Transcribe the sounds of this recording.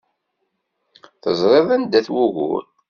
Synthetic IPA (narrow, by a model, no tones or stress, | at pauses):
θəzˤɾˤeðˤænd̪æθwuɣʊ̰ɾ